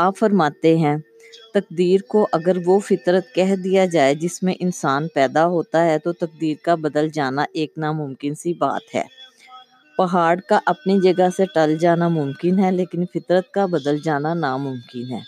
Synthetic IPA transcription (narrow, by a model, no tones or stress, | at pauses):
aːpfɐɾmaːt̪eɦɛ̃ | t̪ɐk̚d̪iːɾkoʔɐɡəɾʋofɪt̪ɾət̪kɛɦd̪ijad͡ʒaːed͡ʒɪsmẽʔɪnsaːnpɛːd̪aɦoːt̪aɦɛt̪ot̪ɐk̚d̪iːɾkabɐd̪əld͡ʒaːnaʔeːknamʊmkɪnsiba̰ːt̪ɦɛ̰ː | pɐɦaːɽkaʔɐpnid͡ʒɐɡəseʈɐld͡ʒaːnamʊmkɪnɦɛleːkɪnfɪt̪ɾət̪̚kabɐd̪əld͡ʒaːnanamʊmkɪnɦɛ̰ː